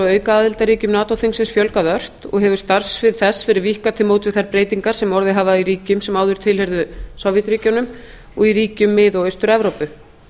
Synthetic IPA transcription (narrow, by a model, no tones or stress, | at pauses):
œːɥkaaːðɪlt̪aɾiːcʏmnaːt̪owθiŋsɪnsfjœlkaðœr̥t̪ɔ̰ɣɦɛvʏ̥st̪aɾ̥svɪðθɛsfɪɾɪɾvihkat̪ʰɪlmoːwt̪vɪðθaɾpɾeːjt̪iŋkaɾ̥sɛmɔɾðɪɦaːvaiɾiːcʏmsɛmaːwðʏɾ̥t̪ʰɪlhɛɾðʏsɔwvjɛt̪ɾiːcawnʏm | ɔɣiɾiːcʏmːɪðɔœɥst̪ʏɾɛvɾowpʏ